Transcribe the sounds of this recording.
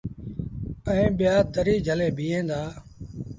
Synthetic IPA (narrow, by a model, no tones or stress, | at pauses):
əĩːɓɪjaːt̪əɾiːd͡ʒʱəleːbʱiːẽːnd̪aː